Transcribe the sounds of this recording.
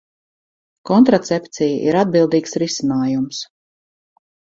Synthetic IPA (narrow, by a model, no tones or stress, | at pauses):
kɔnt̪ɾat̪sɛpt̪sijaʔiɾad̪̚bilˠd̪iːksɾisinaːjums